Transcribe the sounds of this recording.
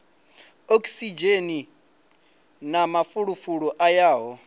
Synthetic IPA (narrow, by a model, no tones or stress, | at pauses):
okʼsid͡ʒeni | namafuɺufuɺɔʔajaːɦɔ